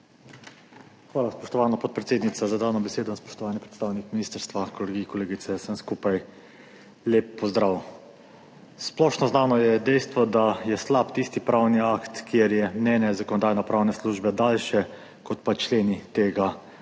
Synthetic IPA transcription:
xʋaːlaspɔʃt̪ɔʋaːnapɔt̪̚pɾɛt̪seːd̪nitsazad̪aːnɔbɛseːd̪ɔnaspɔ̥ʃt̪ɔʋaːnipɾɛt̪st̪aːwnikminiːst̪əɾst̪ʋakoleɡikɔleːɡit̪sɛsənskupaj | leːpːɔzd̪ɾaw | splɔʃnɔznaːnɔjɛd̪ɛjst̪ʋɔd̪ajɛslapt̪ist̪ipɾaːwniakt̪kjeɾjɛmnʲɛːnjɛzakɔnɔd̪aːjnɔpɾaːwnɛsluʒbɛd̪aːlʃɛ | kɔt̪pat͡ʃleːnit̪eːɡa

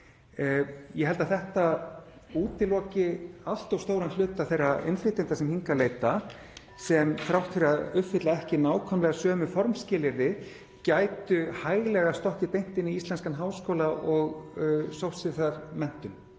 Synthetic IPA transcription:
jɛhɛlt̪aθɛht̪a | uːt̪ɪlɔːcɪal̥t̪awst̪oːwɾanlʏːt̪aθejrːaejnfɾɪt̪ent̪asɛmhiŋkalejt̪a | sɛmfɾawht̪fɪɾaðʏfɪt̪laɛhcɪnaːwkʰanmlɛɣasœːmʏfɔɾmscɪːlɪɾðɪ | caːjt̪ʏhaːjɣlɛɣast̪ɔhcɪt̪ejn̥t̪ɪniist̪lɛnskanɦaːwskowlaʔɔɣsowfsɪθaɾ̥mɛn̥t̪ʏn

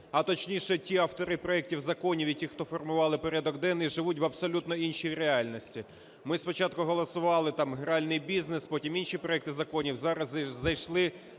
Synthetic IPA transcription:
ɐt̪ɔt͡ʃnʲiʃɛtʲiɐwt̪ɔɾɪpɾɔɛk̚tʲiwzɐkɔnʲiwitʲixt̪ɔfɔrmʊʋɑlˠɪpɔɾʲɛd̪ɔɡd̪ɛniʒɪʋutʲʋɐbsɔlʲut̪nɔinʃijɾeɑlʲnɔsʲtʲi | mɪspɔt͡ʃɑt̪̚kʊɦɔlˠɔsʊʋɑlˠɪt̪ɑmɦɾɑlʲnɪjbʲiznespɔtʲiminʃʲipɾɔɛk̚t̪ɪzɐkɔnʲiwzɑɾɐzzɐjʃlˠɪ

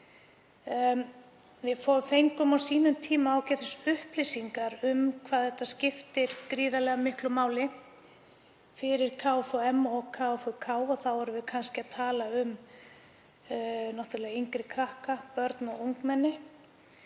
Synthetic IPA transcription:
vɪðfoːwvʏfejŋkʏmawsiːnʏmt̪ʰiːmaːwcɛt̪ʏsʏhplijsiŋkaɾʏmkʰvaːðθɛht̪ːascɪft̪ɪɾ̥kɾiːðalɛɣamɪhklʏmaːwlɪ | fɪɾɪɾ̥kʰaːwfɔɛmɔɣkʰaːfɔkʰaːwɔθawvɔɾʏvɪðkʰanscɪaðt̪ʰaːlaʏm | nɔht̪ʏɾlɛːɣaiŋkɾɪkʰɾahkapœɾt̪nɔɣuwŋkmɛnːɪ

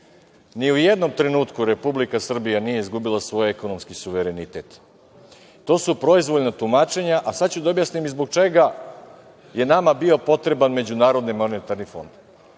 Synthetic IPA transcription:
niuje̞d̪no̞mt̪ɾe̞nuːt̪kuɾe̞publikasr̩bijanije̞izɡubilˠasʋo̞jekono̞mskisuʋeɾe̞nit̪e̞t̪ː | o̞ːsupɾo̞izʋoʎnat̪umat͡ʃe̞ɲaʔasad̪t͡ɕud̪aobjasnimizbo̞ɡ̚t͡ʃe̞ɡa | je̞namabio̞po̞t̪ɾe̞banme̞d͡ʑunaːɾo̞d̪nimo̞net̪aɾnifo̞̰nd̪

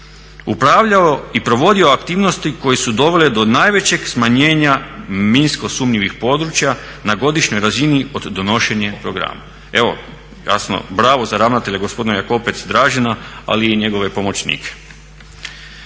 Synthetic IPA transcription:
upɾaʋʎaoipɾo̞ʋo̞d̪io̞akt̪iːʋno̞st̪iko̞jesud̪o̞ʋe̞led̪o̞naːjʋe̞t͡ɕe̞ɡ̥smaɲe̞ːɲaminsko̞sumɲiʋixpo̞ːd̪ɾut͡ɕja | naɡo̞d̪iʃɲo̞jɾazinio̞d̪ːono̞ʃe̞ɲepɾo̞ɡɾa̰ma | e̞ʋo̞̰ | ja̰sno̰bɾaːʋo̞zaɾaʋnat̪e̞ʎeɡospo̞d̪inojako̞pet̪sd̪ɾaːʒenaa̰liiɲe̞ɡo̞ʋe̞po̞mo̞t͡ɕnḭːkʰe̥

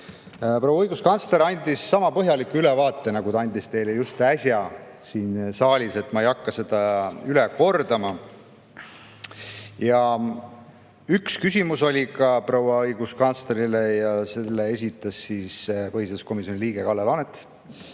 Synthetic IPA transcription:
prowɑɤjɡuskɑnsle̞ɾɑnʲd̪isːɑmɑpɤɦjɑlikːuylɛvɑːt̪ːˑe̞nɑɡut̪ɑɑnʲd̪ist̪e̞jlejust̪æsʲjɑ | siːnsɑːlʲise̞t̪ːˑmɑejɑkːɑse̞d̪̥ɑylɛko̞rd̪̥ɑmɑ | jɑ | ykskysʲimuso̞lʲikɑpro̞wɑɤjɡ̥uskɑnt̪sleɾilejɑselːee̞s̬ʲit̪ːˑɑsːispɤhiseusko̞misjo̞nʲiliːɡe̞kɑlːelɑnet̪ːˑ

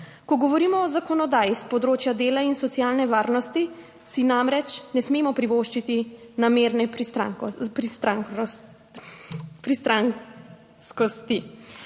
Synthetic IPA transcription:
kɔɡɔʋɔɾiːmɔɔzakɔnɔd̪aːjispɔd̪ɾoːt͡ʃjad̪eːlainsɔtsjaːlnɛʋaːɾnɔst̪i | sinamɾɛt͡ʃnɛsmeːmɔpɾiʋoːʃt͡ʃit̪inameːɾnɛɾapɾist̪ɾaŋ | pɾist̪ɾaŋ | skɔst̪i

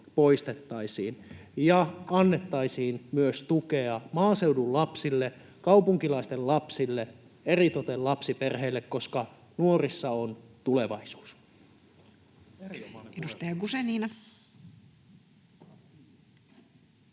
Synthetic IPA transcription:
po̞ist̪et̪ːɑisiːnjɑɑnːe̞t̪ːɑisiːnmyøst̪ukeɑmɑːse̞wdullɑpsilːe | kɑupuŋkilɑist̪ellɑpsilːe | erit̪ot̪ellɑpsiperɦeilːekko̞skɑ | nuorisːɑont̪ule̞ʋɑisu̥ːs | edust̪ɑjɑɡuseniːnɑ

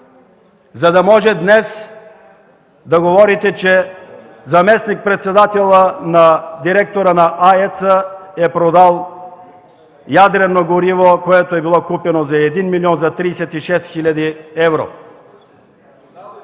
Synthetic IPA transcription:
zɐd̪ɐmɔʒɛd̪nɛs | d̪ɐɡovɔɾit̪ɛt͡ʃɛ | zɐmɛsnik̚pɾɛt̪sɛd̪at̪ɛlˠənad̪iɾɛk̚t̪oɾənaʔaɛt̪səɛpɾod̪alˠ | jad̪ɾɛnoɡoɾivokoɛt̪oɛbilˠɔkupɛnozaɛd̪inmilʲiɔnzɐt̪ɾiːsɛt̪iʃɛst̪xilʲad̪iɛvɾo̰

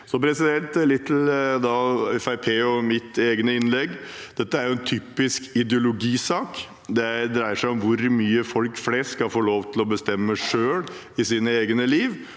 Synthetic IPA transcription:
sɔpʰɾɛsɪd̪ɛnt̪lɪt̪ʰːl̩d̪ɑːɛfæɪpʰeːɔmɪt̪eːɡənəɪnlɛɡːd̪̥ɛt̪ːəæɾjʊɛnt̪ʰyːpɪskɪd̪ɛʊlʊɡiːsɑːk | d̪ɛd̪ɾæɪəʂæɪɔmʋʊɾmyːəfɔlkflɛsskɑfoːloːʋt̪ʰɪlɔbəst̪ɛmːəʂøːl | ɪsiːnəeːɡənəliːʋ

